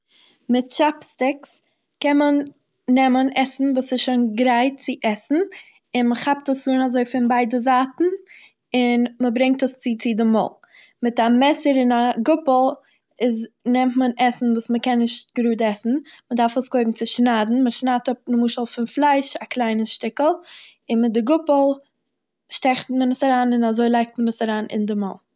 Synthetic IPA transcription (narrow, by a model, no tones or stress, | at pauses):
mɪt̚t͡ʃapstɪks | kɛnmənː | ɛmənɛsn̩vuːsɪsʃonɡɾaɪt̚t͡sɪʔɛsn̩ | ɪnməχap̚təszuːnazoɪfɪnbaɪdəzaːtn̩ | ɪnməbɾɪŋk̚təst͡sɪt͡sɪdɪmɔ̰ːlˠ | mɪtamɛsəɾɪnaɡʊpl̩ˠ | ɪznɛmtmənɛsn̩vuːsməkɛnːɪʃt̚ɡɾuːdɛsn̩mədaɾfəsɡoɪbm̩t͡sɪʃnaːdn̩məʃnaːtʊp̚nəmuːʃəlˠfɪnflˠaɪʃaklˠaɪnəʃtɪkəl̩ˠ | ɪnmɪt̚dɪɡʊpl̩ˠ | ʃtɛχtmənəsaɾaːnɪnazoɪlˠaɪk̚tmənəsaɾaːnʔɪ̰ndɪmɔ̰lˠ